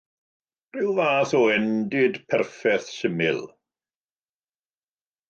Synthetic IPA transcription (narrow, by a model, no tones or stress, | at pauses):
r̥ɪwvaːθɔɛndɪdpʰɛrfɛθʃɪmɪlˠ